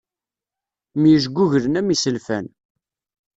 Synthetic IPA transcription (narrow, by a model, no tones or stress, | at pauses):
mjəʒɡʷuʝəɾənæmisəlfæ̰n